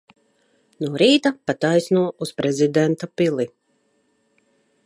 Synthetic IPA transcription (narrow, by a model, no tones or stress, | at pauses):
nuɔɾiːt̪apat̪ajsnuɔʔuspɾɛzid̪ɛnt̪apilˠi